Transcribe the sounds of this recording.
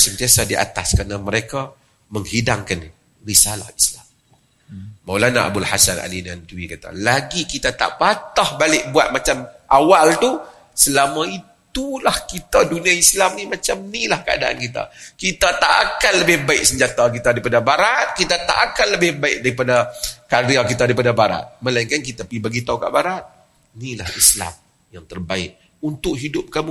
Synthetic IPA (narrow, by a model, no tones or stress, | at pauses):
sənt̪iasadiʔa̰t̪askaɾnaməɾeka | məŋhidaŋkan | risala̰hislamː | awlana̰ʔa̰bulhasana̰linant̪uwikat̪a̰laɡikit̪at̪a̰ʔpat̪ahbalɪʔ̚buat̪̚mat͡ʃamʔawalt̪u | səlamaitt̪ulahkit̪adunĩaislamnimat͡ʃamnilahkəa̰da̰ʔa̰nkit̪a̰kit̪at̪aʔakanləbɪhbaɪk̚səɲd͡ʒat̪ak̬it̪adaɾipadabaɾat̪̚kit̪at̪a̰ʔakanləbɪhbaɪk̚daɾipadakariak̬it̪adaɾip̬adabaɾa̰t̪̚məlaiŋkank̬it̪apibaɡit̪auka̰ʔbaɾat̪̚ | nilahisla̰m | jaŋt̪ərbaɪ̰ʔ̚ | unt̪ʊʔɦidʊp̚kamu